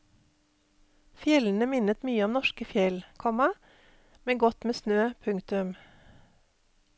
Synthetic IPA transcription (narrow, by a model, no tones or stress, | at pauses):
fjɛln̩əmɪnət̪myːəɔmnɔʃkəfjɛlkʰɔmɑ | mɛŋɡɔt̪meːsnøːpʰʉŋkt̪ʉm